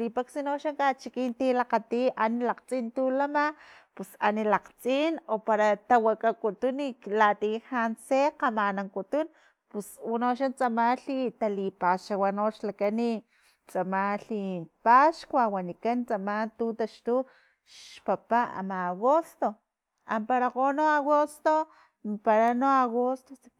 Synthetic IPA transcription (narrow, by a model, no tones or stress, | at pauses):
lipaksinoʃaŋkat͡ʃikiːnt̪ilaqat̪iʔanilaqt͡sʼint̪ulamapusa̰nilaqt͡sʼinopaɾat̪awakʼakut̪unilat̪ihanseqamanaŋkut̪un | puswunoʃant͡samaɬit̪alipaʃawanoʃlakani | t͡samaɬipaʃkʷawanikant͡samant̪ut̪aʃt̪u | ʃpapaa̰maːɣost̪o | ampaɾaqonoaɣost̪o | paɾanoaɣost̪o